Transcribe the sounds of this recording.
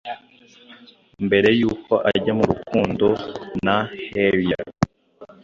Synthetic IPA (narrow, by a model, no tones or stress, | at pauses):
mbe̞ɾe̞juːkʰo̞ʔaɟamuɾukʰuːndo̞naheɾia̰